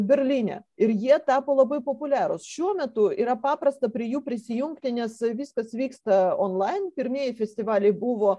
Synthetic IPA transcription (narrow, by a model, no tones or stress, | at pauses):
bʲɛɾʲlʲiːnʲɛ̰ɪɾjiɛt̪ɑːpoːlˠɐbɐɪpopʊlʲæːɾosʃʲuɔmʲɛt̪ʊiːɾɐpɑːpɾɐst̪ɐpʲɾʲijuːpʲɾʲɪsʲɪjuŋkt̪ʲɪnʲɛsʋʲiskɐsʋʲiːkst̪ɐonlˠɑɪnpʲɪɾʲmʲiɛjɛfʲɛsʲt̪ʲɪʋɑːlʲɛjbuʋoː